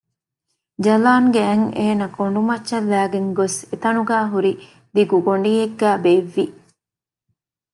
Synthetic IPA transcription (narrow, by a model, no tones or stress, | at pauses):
d͡ʒɐlaːŋɡeɐŋeːnɐkʰoɳ̆ɖumɐtːʃɐlːæːɡeŋɡoset̪ɐnuɡæːɦuɾi | d̪iɡuɡoɳɖiːeɡːæːbeːʋːi